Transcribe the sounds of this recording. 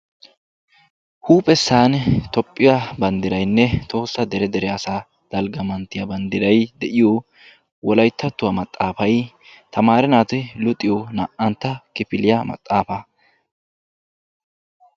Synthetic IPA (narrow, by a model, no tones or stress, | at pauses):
huːpʼɛsːaːnt̪ɔpʼːɪjabɐnd̪ɪɾɐjnːɛt̪o̞ːsːɐd̪ɛɾɛd̪ɛɾɛɐsaː | d̪̥ɐlɡɐmɐnt̪ːɪjɐbɐnd̪ɪɾɐjd̪ɛʔɪjo | wɔlɐjt̪ːɐt̪ːʊwɐmɐt̪ʼːaːfɐj | t̪ʰɐmaːɾɛnaːt̪ɪlʊt̪ʼːɪjɔnɐʔɐnt̪ːɐkɪpɪlɪjɐmɐ̰t̪ʼːaːfɐ